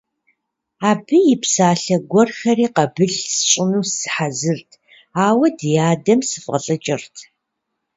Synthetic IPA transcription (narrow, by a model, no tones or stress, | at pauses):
aːbɨjɪpsaːɬɐɡʷɔrxɐriːqɐbɨɮsɨ̥ɕʼɪnuːsɨ̥ħazɨrtʰ | aːwɐdjaːdɐmsɨfʼʁɐɬʼɐt͡ʃʼɪrtʰ